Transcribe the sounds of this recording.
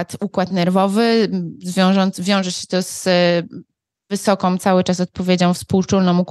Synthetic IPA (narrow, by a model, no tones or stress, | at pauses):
t̪ukwat̪nɛɾvɔvɘzvʲjɔ̃w̃ʐɔnt̪vʲjɔ̃w̃ʐɛɕɛt̪ɔz̥ | vɘsɔkɔ̃w̃t̪sawɘt͡ʂas̬ɔt̪̚pɔvʲjed͡ʑɔ̃w̃fspuwt͡ʂulnɔ̃muk